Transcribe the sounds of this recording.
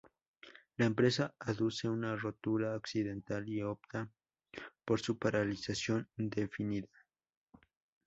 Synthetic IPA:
laempɾe̞saaðuse̞unaro̞t̪uɾaoksiðe̞nt̪alio̞p̚t̪a | poɾsupaɾalisasjo̞nd̪e̞finiða

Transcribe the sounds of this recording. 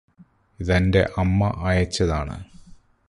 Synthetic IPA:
iðɐnde̞̰ʔɐmːɐʔɐːjɐt͡ɕːɐðaːɳɨ̰

